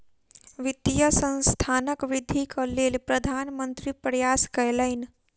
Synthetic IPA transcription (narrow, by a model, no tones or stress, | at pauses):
ʋɪt̪jəsə̃nst̪ʰaːnəkʋɪd̪ʱikʰəleːlpɾəd̪ʱaːnmə̃nt̪ɾipɾəjaːskəjləɪn